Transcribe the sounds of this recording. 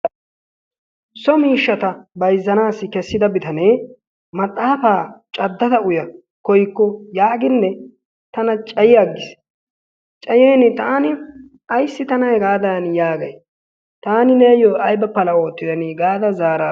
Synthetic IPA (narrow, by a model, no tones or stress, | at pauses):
sɔmiːʃːɐt̪ɐbɐjzːɐnaːsːɪkɛsːɪd̪ɐbɪt̪ɐneː | mɐt̪ʼːaːfaːt͡ʃʼɐd̪ːɐd̪ɐʊjɐ | kɔjkːɔjaːɡɪnːɛ | t̪ɐnɐt͡ʃʼɐjɪɐɡːɪs | t͡ʃʼɐjeːnɪt̪aːnɪ | ɐjsːɪt̪ɐnɐjɡaːd̪aːnjaːɡɐj | t̪aːnɪneːjoːɐjbɐpːɐlɐo̞ːt̪ːɪd̪ɐnɪɡaːd̪ɐzaːɾaː